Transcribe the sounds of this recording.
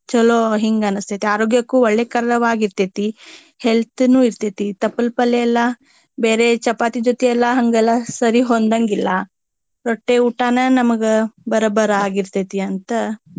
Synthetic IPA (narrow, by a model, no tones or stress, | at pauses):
t͡ʃɐloːɦiŋɡɐnɐst̪ɐt̪eaːɾoːɡjɐkːuːɔɭːeːkɐɾɐɾɐʋaːɡiɾt̪et̪i | helt̪nuːiɾt̪et̪it̪ɐpːɐlpɐlːeɛlːɐ | beːɾet͡ʃɐpaːt̪id͡ʒot̪ɛɛlːɐɦɐŋɡɛlːɐsɐɾiɦond̪ɐŋɡilːɐ | ɾoʈːeuːʈaːnɐnɐmɐɡɐbɐɾɐbɐɾɐaːɡiɾt̪et̪iɐnt̪ɐ